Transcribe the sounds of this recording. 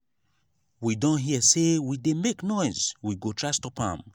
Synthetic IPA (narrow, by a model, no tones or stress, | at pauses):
widɔ̃nɦisewidemeknɔɪzwiɡotʰɹastɔpã̰m